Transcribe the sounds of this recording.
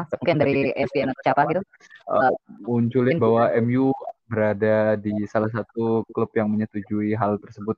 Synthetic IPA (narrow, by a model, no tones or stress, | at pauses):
səmukɪndaɾiʔɛsbiɛnat̪̚t͡ʃapaɡit̪u | ʔəmuɲt͡ʃulɪnbawaɛmjubəɾadadisalahs̬at̪uklupjaŋməɲət̪ud͡ʒuiɦalt̪ərsəbʊt̪̚